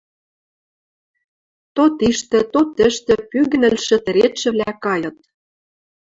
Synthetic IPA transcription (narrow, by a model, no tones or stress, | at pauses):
t̪ot̪iʃt̪ɘ̆t̪ot̪ɘ̆ʃt̪ɘ̆pyɣɘ̆nɘ̆lʃɘ̆t̪ɘ̆ɾet̪ʃɘ̆βlækɑjɤ̆t̪̚